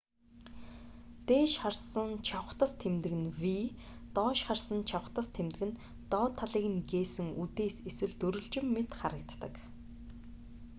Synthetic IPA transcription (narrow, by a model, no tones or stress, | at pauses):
t̪eːʃχarsə̆nt͡ɕʰaw̆t̪ə̆st̪ʰemt̪ɘ̆ɣɘ̆nwiː | t̪ɔːʃχarsə̆nt͡ɕʰaw̆χt̪ə̆st̪ʰemt̪ɘ̆ɣɘ̆n | t̪ɔːt̪ʰːaɮiːɣɘ̆nɡeːsɘ̆ŋut̪eːseswɘ̆ɮt̪ɵɾɵ̆ɮt͡ɕɪ̆mːet̪χaɾə̆k̚t̪ːə̆k